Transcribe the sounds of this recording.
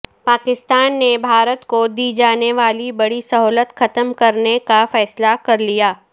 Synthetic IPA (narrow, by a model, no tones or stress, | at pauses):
paːkɪst̪aːnːebʱaːɾət̪kod̪iːd͡ʒaːneʋaːlibɐɽisɐɦɔːlət̪xɐt̪əmkɐɾnekafɛːslakɐɾlijaː